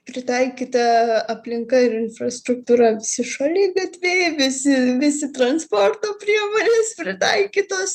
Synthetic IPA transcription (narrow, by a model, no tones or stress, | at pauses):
pʲɾʲɪt̪ɐɪkʲiːt̪ɐɐpʲlʲɪŋkɐɪɾɪnfrɐst̪ɾʊk̚t̪uːɾɐʋʲɪsʲɪʃɐlʲeːɡɐt̪ʲʋʲeːʋʲɪsʲɪʋʲɪsʲɪt̪rɐnspoːrt̪oːpʲɾʲiɛmoːnʲeːspʲɾʲɪt̪ɐɪkʲiːt̪oːs